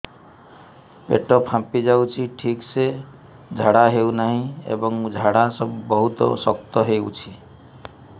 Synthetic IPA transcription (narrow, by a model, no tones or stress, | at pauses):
pḛʈɔpʰãpid͡ʒawt͡ʃʰiʈʰikse | d͡ʒʱaɽaɦewnaɦĩḛbɔŋd͡ʒʱaɽasɔbbɔɦut̪ɔ̰sɔkt̪ɔɦeut͡ʃʰi